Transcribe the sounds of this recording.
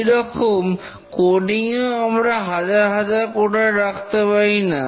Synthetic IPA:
ɾɔkʰom | koɖiŋoamɾaɦad͡ʑaɾɦad͡ʑaɾkoʈaɾakʰt̪apajna

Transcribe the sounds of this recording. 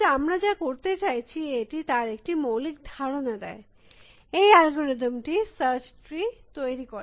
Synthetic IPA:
amɾad͡ʑakoɾt̪et͡ɕajt͡ɕʰieʈit̪aɾek̚ʈimowlik̚d̪ʱaɾonad̪ɛe | ejalɡoɾed̪ʱomʈisəɾt͡ɕʈɾit̪ojɾikoɾ

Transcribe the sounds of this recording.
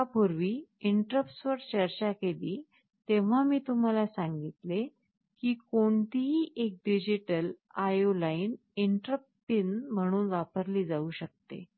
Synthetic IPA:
apoɾʋiːiɳʈɾəpsʋəɾt͡ɕəɾt͡ɕakeliː | t̪eʋ̤amiːt̪um̤alasaŋɡit̪le | kiːkoɳt̪iɦiːʔek̚ɖid͡ʑiʈəl | ajolain | iɳʈɾəppinm̤əɽ̃uːnʋapəɾliːd͡zauːɕək̚t̪ḛ

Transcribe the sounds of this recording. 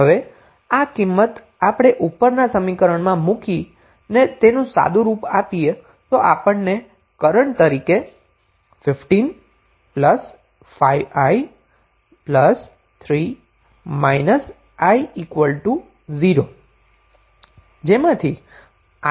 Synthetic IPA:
ɦəʋe | akimːət̪ | apəɽ̃eʔupːəɾnasəmikəɾəɳmãmũki | net̪enũsa̰d̪ũɾupapie | t̪oʔapəɳne | kəɾəɳt̪əɾike | fɪfʈin | pləs | fajʋaj | pləs | t̪ʰɾi | majnəs | aiikʋəlʈu | ziɾo | d͡ʒemãt̪ʰi | a

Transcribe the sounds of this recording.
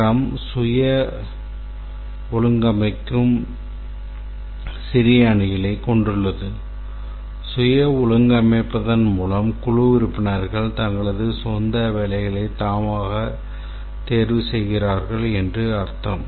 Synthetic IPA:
ɐmsʊjɐ | ʊɭɯŋɡɐmɐɪkːɯm | sɪɾɪjɐɳɪjɐlɐɪkɔɳɖɯɭːɐðɯ | sʊjɐʊɻɯŋɡɐmɐɪpːɐðɐnmuːlɐmkʊɻʊʋɪɾɯpːɪnɐɾɣɐɭt̪ɐŋɡɐɭɐðɯsɔnd̪ɐʋɛːlɐɪɣɐɭɐɪt̪aːmaːɣɐ | t̪eːɾʋɯsɛjɣɪraːɾɣɐɭɛndrɯɐɾt̪ːɐm

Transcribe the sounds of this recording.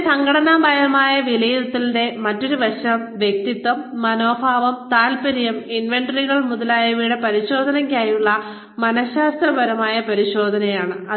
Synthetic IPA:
sɐŋɡʱɐɽɐnaːmbʱɐjɐmaːjɐʋilejt̪ːilnde̞mɐtːo̞ɾuʋɐɕɐmʋjek̚t̪it̪ːʋɐmːɐnoːbʱaːʋɐmt̪aːlpɐɾijɐminʋeɳɖɐriɣɐɭmuðɐlaːjɐʋiːɽepɐɾiɕo̞ːd̪ʱɐnɐŋkʲːaːjuɭːɐ | mɐnɐɕaːst̪rɐbɐɾɐmaːjɐpɐɾiɕo̞ːd̪ʱɐnɐjaːɳɨɐ

